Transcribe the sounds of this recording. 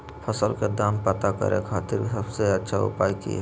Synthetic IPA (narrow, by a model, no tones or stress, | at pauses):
pʰəsəlked̪aːmpət̪akə̰ɾḛ̃kʰaːt̪ɪɾsəbseətːʃʰaʊ̰paːjkḭ